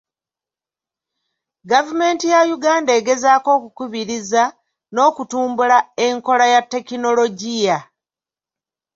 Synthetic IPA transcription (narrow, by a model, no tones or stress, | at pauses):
ɡavume̞ːntijajuɡaːnde̞ːɡe̞zaːko̞ːkukuβiɾiza | no̞ːkutuːmbulae̞ŋko̞lajatːe̞kino̞lo̞ɟija